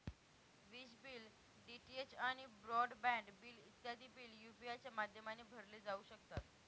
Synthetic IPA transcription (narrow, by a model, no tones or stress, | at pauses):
ʋiɕbiːl | ɖiʈiet͡ɕaɽ̃ibɾɔɖbɛ̃ɳɖbiːlit̪jad̪ʱiːbiːljupiat͡ɕjamad̪ʱjəmaneːbʱəɾliːd͡zauɕəkt̪at̪